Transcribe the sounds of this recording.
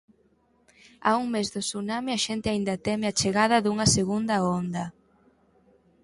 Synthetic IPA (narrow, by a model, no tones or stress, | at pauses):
a̰uŋmezðosunameɐʃent̪ɪaind̪ɐt̪ɛmɪat͡ʃeɣaðɐðuŋɐseɣund̪ɐond̪ɐ